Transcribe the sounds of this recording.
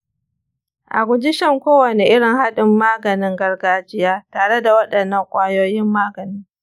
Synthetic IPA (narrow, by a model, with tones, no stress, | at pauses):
ʔa˨ɡʷʊ˨d͡ʒɪ˦ʃɐ˦ŋkʷoː˦wɐ˨ne˨ʔɪ˦ɽɪ˨ŋha˦ɗɪ˨mːaː˦ɡɐ˨nɪ˦ŋɡɐ˦rɡaː˦d͡ʒɪ˦jaː˦taː˨ɽe˦da˨wɐ˦ɗɐ˨nːɐ˦˨ŋkʷʼaː˦joː˦jɪ˦mːaː˦ɡɐ˨nɪ˦ŋ